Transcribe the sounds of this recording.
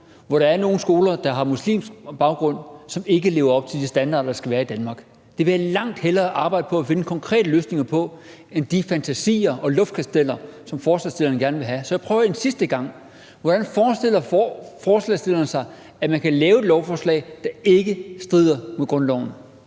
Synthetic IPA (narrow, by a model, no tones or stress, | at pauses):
ʋɒɾ̥ɑ̈æɐno̝ːn̩sɡ̥o̝ːlɐd̥ɑ̈ɦɑ̈muslḭːmsɡ̥b̥ɑ̈ʊɡ̥ʁɔ̽n̰sɒ̽me̝ɡ̥əle̝ːʊɐɒ̽b̥̚t͡sʰe̝ld̥isd̥ænd̥ɑ̰̈ːd̥ɐd̥ɑ̈sɡ̥æʋæːɐid̥ænmɑ̈ːɡ̥ | d̥e̝ʋeælɑ̈ŋ̰d̥helɐːʔɑ̈ːb̥ɑ̈ɪ̰d̥əpʰɒ̽æfe̝nəkʰɒ̽ŋkʰʁɛ̰ːd̥əløːsne̝ŋɐpʰɒ̽ | end̥ifænt͡sʰæsḭːɐɒ̽lɔ̽fd̥̚kʰæsd̥el̰ɐsɒ̽mfɒːslɛ̰sd̥e̝lɐnəɡ̥æɐnəʋe̝ɦæsɒjɑ̈ɪpʰʁœːʊɐe̝nsisd̥əɡ̥ɑ̈ŋ̰ | ʋɒɾ̥ænfɒːsd̥e̝l̰ɐfɒːslɛ̰sd̥e̝lɐn̩sɑ̈ɪ | æmænkʰælɛːʊe̝d̥lɒʊfɒːslɛ̰ɪd̥ɑ̈e̝ɡ̥əsd̥ʁið̰ˠɐmeɡ̥ʁɔ̽nlɒ̰ʊ̰n̩